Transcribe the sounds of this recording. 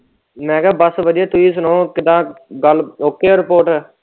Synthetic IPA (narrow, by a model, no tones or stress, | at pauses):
mɛ̃ːkɛːbəsʋəd̪ɪjaːt̪ʊiːsʊnõːkɪd̪ãːɡəloːkːeːɾɪpoːʈɛː